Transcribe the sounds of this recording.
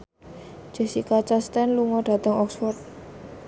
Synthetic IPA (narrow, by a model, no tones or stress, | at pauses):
d͡ʒ̥ə̤sikat͡ʃast̪ɛnluŋɔɖ̥ä̤t̪əŋɔksfɔrt̪̚